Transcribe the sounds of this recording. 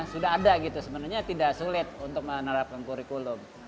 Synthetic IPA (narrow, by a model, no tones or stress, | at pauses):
sudaɦadaɡit̪usəbənarɲat̪idaʔsulɪt̪̚unt̪ʊk̚mənəɾap̚kankuɾikulʊŋ